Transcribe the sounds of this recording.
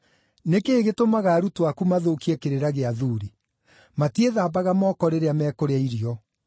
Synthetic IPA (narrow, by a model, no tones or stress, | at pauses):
nekeːɣetomaɣaːɾutwakumaðoːkiɛkeɾeɾaɣeaðuɾi | matieðaːbaɣamɔːkɔɾeɾeamɛːkoɾeaiɾiɔ